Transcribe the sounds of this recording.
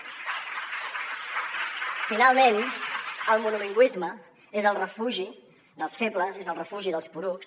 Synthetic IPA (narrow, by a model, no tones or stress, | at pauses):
finalˠmen | əlˠmunuliŋɡwizmə | ezəlˠrəfuʒi | ðəlˠsfepləzezəlˠrəfuʒiðəlˠspuɾuks